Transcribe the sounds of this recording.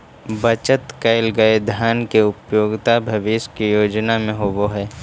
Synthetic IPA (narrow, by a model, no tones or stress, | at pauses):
bɐt͡ʃət̪kɐɪlɡəed̪ʱjaːnkeʊpjoːɡt̪abʱɐʋɪʃkijoːd͡ʒnamẽɦoboɦɛː